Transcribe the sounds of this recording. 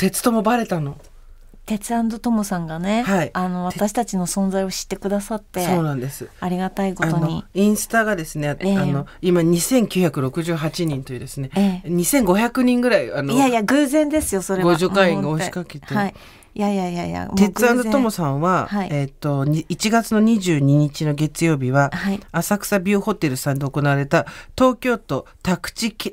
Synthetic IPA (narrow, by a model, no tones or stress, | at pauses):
t̪e̞t͡sɨ̥t̪o̞mo̞baɾe̞t̪ano̞ | t̪e̞t͡sɨãnd̪o̞t̪o̞mo̞sãŋɡane̞haiano̞β̞at̪aɕi̥t̪at͡ɕino̞sõ̞nzaio̞ɕi̥t̪ːe̞kɯ̟d̪asat̪ːe̞so̞ːnãnd̪e̞sɨaɾʲiɡat̪aiko̞at̪onoɲiĩɰ̃sɨ̥t̪aɡad̪e̞sɨneano̞imaɲ̟isẽ̞ŋkʲɨ̟çakɯ̟ɾo̞kɯ̟ʑɨːɦat͡ɕiɲ̟ĩnt̪o̞jiɯ̟d̪e̞sɨne̞eɲ̟isẽ̞ŋɡo̞çakɯ̟ɲ̟ĩŋɡɯ̟ɾaianojajaɡɯːzẽ̞nd̪e̞sɨjosoɾeɡoʑokãĩŋɡaoɕi̥kakeei | jajajaja̰e̞t͡sɨãnd̪at̪omo̞sãɰ̃βahaiet̪ːo̞ɲit͡ɕiɡat͡sɨno̞ɲ̟iʑɨːɲ̟iɲ̟it͡ɕino̞ɡe̞t͡sɨjo̞ːbʲiβaaːsakɯ̥sabʲɨːho̞t̪e̞ɾɯ̟sãnd̪e̞oko̞naβaɾe̞t̪at̪o̞ːkʲo̞ːt̪o̞t̪akɯ̟̥t͡ɕike